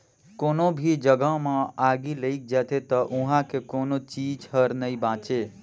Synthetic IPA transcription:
koːnobʱid͡ʒəɡəɦmãaːɡileik̚d͡ʒɛːt̪ʰet̪əʔʊ̃ɦãkekoːnot͡ʃiːd͡ʒhəɾnəĩbãːt͡ʃe

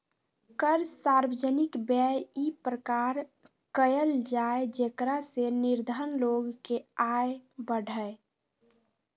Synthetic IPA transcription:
kəɾsaɾwəd͡ʒənɪkbɛjipɾəkaːɾ | kəjəld͡ʒaed͡ʒekɾasenɪɾd̪ʱənloɡkeaebəɽʱəe

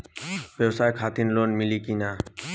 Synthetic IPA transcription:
ʋjeʋsaːjkʰaːt̪iːnloːnmɪliːkiːnaː

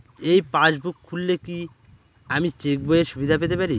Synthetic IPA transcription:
ejpãd͡ʑbukʰːulːeki | amit͡ʃek̚boeɾʃubid̪ʱap̬et̪̬epaɾi

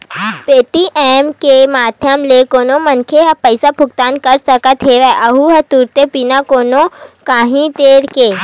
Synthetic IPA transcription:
peːʈiʔɛːmkemaːd̪ʱjəmlekoːnomɐnkʰeɦɐpəɪsabʱʊk̚t̪aːnkɐɾsɐkət̪ɦeːʋɛʔɐɦuɦɐt̪uːɾt̪epiːnakoːnokaːɦĩt̪eːɾkeː

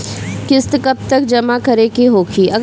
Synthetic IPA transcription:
kɪst̪kɐb̚t̪ɐk̚d͡ʒɐmakɐɾekiɦoːkʰiːʔɐɡ

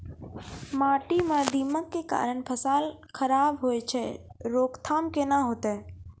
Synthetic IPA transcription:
maːʈimãd̪iːməkːeka̰ːɾəɳ̃pʰəsaːlxʰəɾaːbɦoet͡ʃʰɛɾoːkt̪ʰaːmkenaɦot̪eː

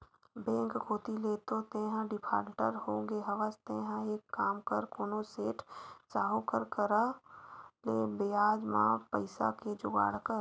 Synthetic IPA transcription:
bẽːŋkhoːt̪ileːt̪ot̪eɦə̃ɖɪpʰa̰ːʈəɾɦõɡeɦəʋəst̪eɦə̃eːkːaːmkəɾkoːnoseːʈsaːɦokəɾkəɾa | leːbeaːd͡ʒmã̰pə̰ɪsa̰ked͡ʒʊɡa̰ːɽkəɾ

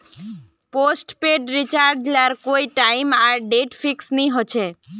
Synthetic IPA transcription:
posʈpeɖɾit͡ʃaɾɖlaɾkoiʈaimaɖeʈfiksniɦot͡ʃʰe

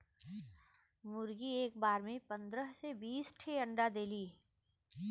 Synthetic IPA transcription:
mʊɾɡieːk̚baːɾmẽpə̃nd̪ɾəɦsebiːsʈʰeə̃ɳɖad̪eːliː

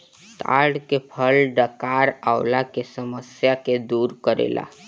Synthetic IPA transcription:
t̪a̰ɽkepʰəlɖəkaɾawlakesəməsjaked̪uːɾkəɾḛla̰

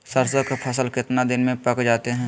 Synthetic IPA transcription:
səɾsəkpʰɐs̬əlkɪt̪nad̪ɪnmẽpɐkd͡ʒaːt̪eɦɛ̃ː

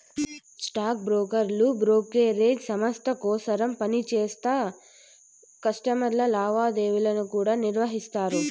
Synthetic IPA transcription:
sʈaːk̚bɾoːkɐɾlubɾoːkeːɾeːd͡ʒsɐmɐst̪ʰɐkɔːsɐɾɐmpɐnit͡ʃeːst̪aː | kɐsʈɐmɐɾlɐlaːʋaːd̪eːʋulɐnukuːɽaːniɾʋɐɦist̪aːɾu

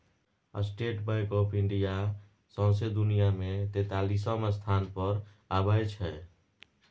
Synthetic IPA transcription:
a̰sʈeʈbaɪkɔpʰĩɳɖija | sə̃ʊ̃sed̪unijamet̪et̪alisəməst̪ʰanpəɾ | abəjt͡ʃʰɛ

